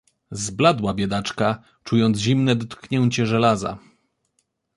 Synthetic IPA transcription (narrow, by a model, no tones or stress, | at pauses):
zblad̪wabʲjɛd̪at͡ʂka | t͡ʂujɔnd̪ʑimnɛd̪ɔt̪kɲɛɲt͡ɕɛʐɛlaza̰